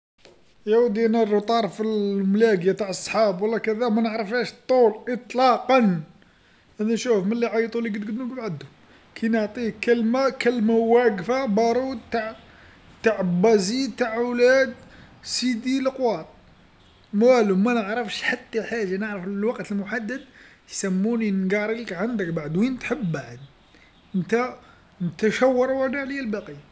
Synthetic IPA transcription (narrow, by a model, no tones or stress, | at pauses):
jæwd̪inærˤt̪ˤɑɾˤfilmlæɡjat̪aʕəsˤːħɑbwəlːɑkæðæmænəʕɾˤəfhæʃt̪ˤːulʔət̪ˤlɑqɑn | ʔænænʃufməlːiʕɑjt̪ˤuliɡəd̪ɡd̪nukbʕəd̪ʊ | kʰijnəʕt̪ˤikəlmakəlmawæɡfabɑɾˤud̪̚t̪aʕ | t̪aʕbɑzit̪aʕwlæd̪ | sid̪iləqwɑt̪ˤ | mæælumænəʕɾˤɑfʃħat̪ːalħaʒːanəʕɾəfləlwɑqt̪əlmʊħad̪ːəd̪ | jsæmːuninɡɑɾˤiləkʕand̪ək̚baʕd̪wint̪ħəbːaʕəd̪ | ʔənt̪æ | nət̪æʃæwːɑɾˤwænaʕlijælbɑqijːa